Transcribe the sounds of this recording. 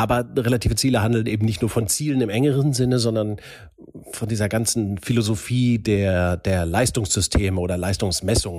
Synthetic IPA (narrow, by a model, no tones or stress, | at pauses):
ʔaːbɐʁelatʰiːvət͡siːləhandl̩nʔeːbm̩nɪçtnuːɐfɔnt͡siːlənɪmʔɛŋəʁənzɪnəzɔndɐn | fɔndiːzɐɡant͡sn̩filozofiːdeːɐd̥eːɐlaɪstʊŋsz̥ʏstʰeːməoːdɐlaɪstʊŋsmɛsʊŋən